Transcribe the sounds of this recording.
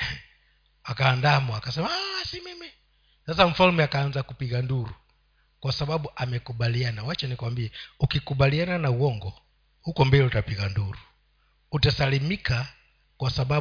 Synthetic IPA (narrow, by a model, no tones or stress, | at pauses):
akaːndamuakasɛmaasimimi | sasaɱ̩falumɛakaːnzakupiɡanduɾu | kwasaɓaɓuʔamɛkuɓalianawat͡ʃanikwambiɛukikuɓaliananauɔŋɡɔ | hukɔmbɛlɛutapiɡanduɾu | utasalimika | kwasaɓa